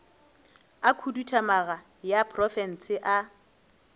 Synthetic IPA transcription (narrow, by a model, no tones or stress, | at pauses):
akʰudutʰamaɣa | japʰʼrɔfɛn̩sɪʔa